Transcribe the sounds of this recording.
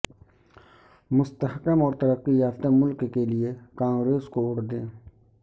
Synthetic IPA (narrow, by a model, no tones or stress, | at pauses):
mʊst̪əhkəmɔːɾt̪əɾəqːijaːft̪emʊlkkelɪekãːŋɡɾeːskoʊʈd̪ẽː